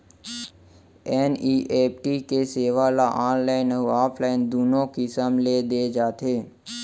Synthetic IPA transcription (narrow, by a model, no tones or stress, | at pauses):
ɛːniːʔeːpʈiːkeseːʋalaʔaːnlaːɪnəaːpʰlaːɪnd̪uːnõkisəmled̪eːd͡ʒaːt̪ʰeː